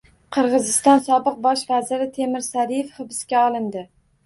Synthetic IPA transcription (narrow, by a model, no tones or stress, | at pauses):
qʰɨɾʁɨzɪst̪ɒnsɒbɨq̚bɒʃvazɪɾɪt̪ʰe̞mɪɾsaɾijefχɨbɪskʲaɒlˠɪnd̪ɪ